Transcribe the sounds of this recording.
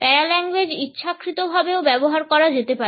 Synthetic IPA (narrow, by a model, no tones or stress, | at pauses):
pɛɾalɛŋɡwed͡ʑitːʃʰakɾit̪obʱabeobɛboɦaɾkɔɾad͡ʑet̪epae